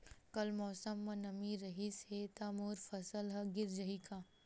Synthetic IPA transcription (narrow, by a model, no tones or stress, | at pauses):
kɐlmɔːsəmːɐ̃nɐmiɾɐɦishet̪aːmoːɾfʰɐsəlɦɐɡɪɾd͡ʒəɦikaː